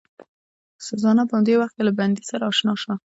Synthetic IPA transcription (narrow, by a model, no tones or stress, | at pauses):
sazɑnapəhamd̪ewaxt̪kelaband̪isaɾaːʃnɑʃwa